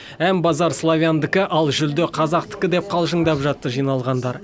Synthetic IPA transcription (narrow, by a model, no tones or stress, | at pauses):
ænbɑzɑɾslˠovʲjand̪ɪkʲɪʔɑlˠʒʏld̪ɪqʰɑzɑqt̪ɪ̥kʲɪd̪e̞p̚qʰɑlˠʒəɴd̪ɑpʒɑt̪ːəʒijnɑlˠʁɑnd̪ɑɾ